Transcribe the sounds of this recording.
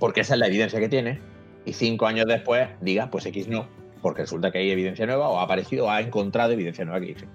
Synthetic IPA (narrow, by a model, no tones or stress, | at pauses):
po̞ɾkeesaelae̞βiðe̞n̟θjake̞t̪je̞ne̞ | iθiŋko̞aɲoɦðe̞hpwe̞hd̪iɣahpwe̞se̞kiznõ | po̞ɾkeresult̪akeaje̞βiðe̞n̟θjanwe̞βaoaːpaɾeθiðooaeŋko̞nt̪ɾaðoeβ̞iðen̟θjanwe̞βakeðiθeŋ